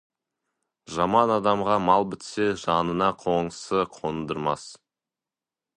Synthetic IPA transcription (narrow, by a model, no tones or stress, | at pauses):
ʒɑmɑnɑd̪ɑmʁɑmɑlˠbɪt̪seʒɑnənɑqʰo̞ɴəsəqʰo̞nd̪əɾmɑs